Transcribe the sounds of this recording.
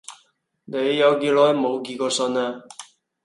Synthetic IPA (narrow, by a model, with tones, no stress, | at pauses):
ne˨˧jːɐ˨˧wkiː˧lɔː˨˥jmo˨˧wk̬iː˧kɔː˧sɵ˧naː˧